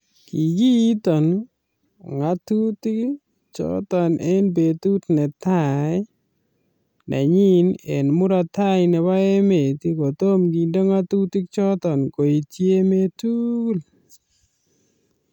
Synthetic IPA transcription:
ki˨ɡi˦tɔ˨n | ŋa˨tu˦ti˦k | t͡ʃɔ̰˦tɔ˨nʔe˦nbe˨tu˦tnɛ˨ta˦˨j | nʔa̰˨ɲi˦nḛ˨nmu˦ɾa˨ta˦jnɛ˨ba˦e˦me˨ti˦ko˨to˦mɡi˨ndo˦ŋa˦tu˦ti˦k̚t͡ʃɔ˦tɔ˨nko˨i˨tje˦me˦tu˦l

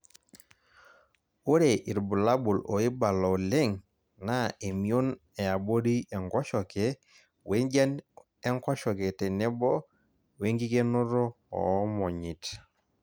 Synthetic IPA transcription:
o˦ɾe˨ʔi˨ɾbu˨la˦bu˨lo˨i˦ba˨lɔ˨le˦ŋ | na˦e˨mi˨o˦n | ɛ˨a˨bo˦ɾi˦ɛ˨ŋɡɔ˦ʃɔ˨ke˨˦ | we˦ŋd͡ʒa˦n | ɛ˦ŋkɔ˦ʃɔ˨ke˨tɛ˨nɛ˦bɔ˦ | we˦ŋɡi˦ke˦no˦ɾɔ˦ | ɔ̰˨˦mɔ˨ɲi˨t

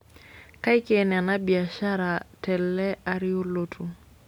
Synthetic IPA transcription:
ka˦ɪ˦kena˨na˦bi˨a˨ʃa˦ɾa˨tɛ˨lːɛ˦a˦ɾɪo˦lotʰu

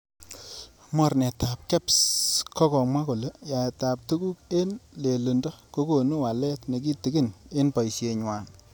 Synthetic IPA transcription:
mɔ˨ɾnɛ˨ta˨p̚kɛ˦pskɔ˦kɔ˨mwa˦ko˨le˦ja˨e˨ta˨p̚tu˦ɡu˦ke˦nle˨lo˨ndɔ˦ko˦ko˨nu˦wa˨lɛ˦tne˨k̬i˦ti˨˦ɡɪ˦ne˦npɔ˨jsje˨ɲwa˨n

